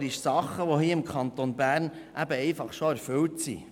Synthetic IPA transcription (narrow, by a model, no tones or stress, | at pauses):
ɾɪʃsɑχːəʋohiːɪmkʰχɑnt̪onbæːrn | ʔæbəɛɪfɑχʃoæɾfʏltsḭ